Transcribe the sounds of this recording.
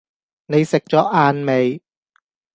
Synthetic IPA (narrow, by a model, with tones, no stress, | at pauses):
ne˨˧jsɪ˨˩k̚t͡ɕɔː˨˥ʔaː˧nme˨˧j